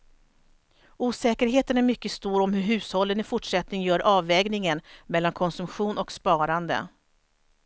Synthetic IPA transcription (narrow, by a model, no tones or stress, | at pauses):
uːsɛːkəɾɦeːt̪ənæɾmʏkːəst̪uːɾɔmhɵɾɦʉ̟ːshɔlːənɪfʊʈʂɛt̪nɪŋjœːɾʔɑːvɛːɡnɪŋənmɛlːankʰɔnsɵmɧuːnɔkspɑːɾand̪ə̰